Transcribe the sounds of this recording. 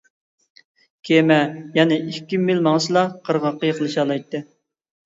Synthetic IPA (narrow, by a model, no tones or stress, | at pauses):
kʲʰemɛjɛnɪʔikʲːimilmɑŋslˠɑqʰəɾʁɑqːɑjqʰəlˠɨʃɑːlˠɑjt̪ːɨ